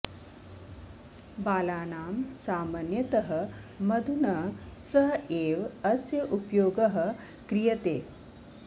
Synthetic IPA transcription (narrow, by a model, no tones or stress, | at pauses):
baːlaːnaːmsaːmanjɐt̪ɐɦɐ̆mɐd̪ʱunɐsɐɦeːʋɐsjɐʔupjoːɡɐɦɐ̆ | kɾijɐt̪eː